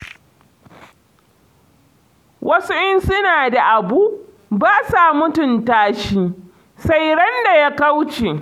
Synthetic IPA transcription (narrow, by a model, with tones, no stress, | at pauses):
wʔɐ˦sʊ˦ʔɪ˦nsʊ˦naː˨da˨ʔa˨buː˦ʔ | baː˦sa˨mʊ˦tʊ˨ntaː˦ʃiː˦ | sa˦jɽɐ˦nda˨ja˦ka˦wt͡ʃeː˨